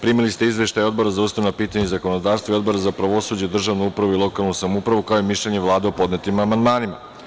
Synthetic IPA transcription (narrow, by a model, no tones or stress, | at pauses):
pɾiːmilist̪e̞izvʋe̞ʃt̪ajo̞d̪bo̞ɾazausaʋnapiːt̪aɲezako̞nod̪aːɾst̪vaio̞d̪bo̞ɾazapɾaʋo̞suːd͡ʑed̪r̩ʒaʋnuupɾaʋuilˠo̞kalˠnusamupɾaʋukaojemiʃlʎeɲe̞ʋlˠaːd̪eopo̞d̪net̪imamand̪maːnima̰